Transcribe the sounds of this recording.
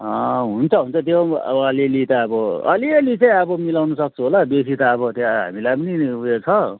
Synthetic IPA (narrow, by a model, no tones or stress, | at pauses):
ʌɦunt͡sʰʌɦunt͡sʰʌt̪̬joʌ̰bʌːlilit̪aʌbʌʌ̰liʌlit͡sãĩʌbʌmilawnusʌk̚t͡sʰuɦolabes̬it̪aʌbʌt̪jaɦa̰milajpʌniujet͡sʰʌ